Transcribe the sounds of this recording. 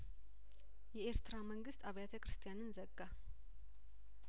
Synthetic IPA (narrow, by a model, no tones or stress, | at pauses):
jɛeɾt̪ɨɾaməŋɡɨst̪ʼaβjat̪ʰəkʰɾɨst̪ʰʼijanɨnzəɡːa